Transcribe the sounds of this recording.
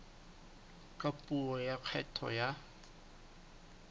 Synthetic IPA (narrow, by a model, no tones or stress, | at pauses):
kʼapʼuɔjaq͡χʰɛtʰɔ̰ja